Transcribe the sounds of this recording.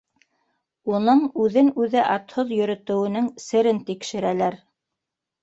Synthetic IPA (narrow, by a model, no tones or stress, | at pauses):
unɤɴʉðɘnʉðɘʔɑt̪hoðjɵ̆ɾɵ̆t̪ɘ̆wɘ̆nɘŋsɘ̆ɾɘnt̪ikʃɘ̆ɾælæɾ